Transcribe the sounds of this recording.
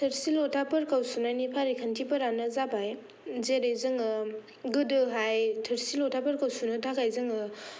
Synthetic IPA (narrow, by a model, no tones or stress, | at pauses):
tʰɯɾsilɔtʰapɯɾkawsunajnipʰaɾikʰəntʰipɐɾanɯzabaj | zeɾejzɯŋɯ | ɡɯdɯɦajtʰɯɾsilɔtʰapəɾkawsunɯtʰakajzɯŋɯ